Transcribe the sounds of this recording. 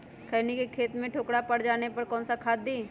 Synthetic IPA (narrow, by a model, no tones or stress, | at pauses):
kʰəːnikekʰeːt̪mẽʈʰoːkɽapɐɽd͡ʒaːnepɐɾkɔ̃ːnsakʰaːd̪ːiː